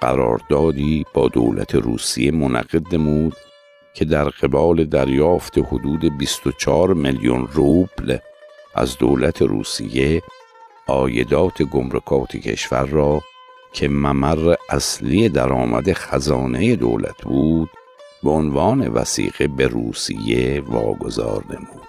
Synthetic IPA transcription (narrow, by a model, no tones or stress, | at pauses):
ɢæ̰ɾɒ̰ːɾd̪ɒːd̪iːb̥ɒːd̪o̰ːlæ̰t̪ʰeɾṵːsḭjemonæ̰ɣ̥e̞d̪̚nemuːd̪̥ | cʰe̞d̪æɾɢ̥e̞bɒːle̞d̪æɾjɒːft̪ʰehod̪uːd̪ebist̪ot͡ʃʰɒːɾmeljo̰nruːb̥lʔæ̰zd̪o̞̰ːlæt̪ʰe̞ɾṵːsḭje̞ | ɒːjed̪ɒːt̪ʰe̞ɡo̞mɾekʰɒːt̪ʰḛcʰe̞̰ʃvæɾːɒː | cʰe̞mæmærːeʔæslijed̪æɾɒːmæ̰d̪exæzɒːne̞je̞d̪o̰ːlæ̰t̪ʰbuːd̪̥ | beonvɒːne̞̰væ̰sḭːɣ̥e̞beɾuːsḭje̞vɒ̰ːɡo̞zɒ̰ːɾnemuːd̪